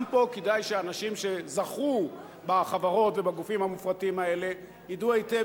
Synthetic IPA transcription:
mpo̞kedajʃeanaʃimʃe̞zaχu | baχavaʁo̞tve̞baɡufimhamufʁatiimae̞le̞ | jiduejte

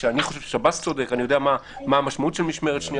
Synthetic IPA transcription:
eaniχo̞ʃevʃe̥ʃabast̪t͡so̞dekanijo̞deamamaamaʃmautʃelmiʃmeʁetʃni

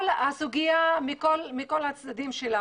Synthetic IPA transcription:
lasuɡijamikolmiko̞lat͡sd̪ad̪imʃela

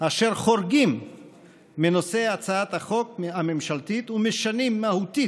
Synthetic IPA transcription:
aʃe̞ʁχo̞ɾɡimː | enose̞at͡saat̪haχo̞kamemʃalt̪it̪umeʃanimːahut̪i

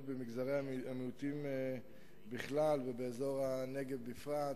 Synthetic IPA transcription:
bemiɡzaʁeaamiut̪ime | biχlalvebeːzo̞ʁaneɡevbifʁat

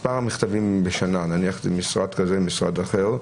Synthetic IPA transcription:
paʁamiχt̪avimbeʃanananiaχe̥zemisʁad̪kazemisʁa̰d̪aχeʁ

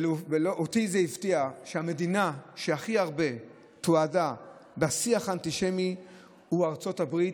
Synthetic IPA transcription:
lveloʔotizeivtiaʃeame̞dinaʃeaχiaʁbe̞ | tuadabeasiaχantiʃemi | uaʁt͡so̞thabʁit

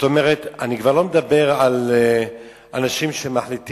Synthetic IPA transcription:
zot̪omeʁet̪anikvaʁlo̞med̪abe̞ʁal | ʔanaʃimʃemaħlit̪

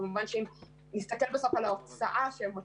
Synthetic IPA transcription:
muvanʃin | nistakɛlbɛsafalaɔsaʔaʃɛma

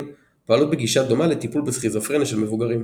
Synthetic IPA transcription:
poalut̪̚beɡiʃad̪o̞malet̪ipulbesχizafʁeniʃelmevuɡaʁim

